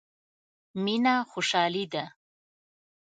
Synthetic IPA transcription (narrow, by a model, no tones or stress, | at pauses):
minaxoʃɑːlid̪a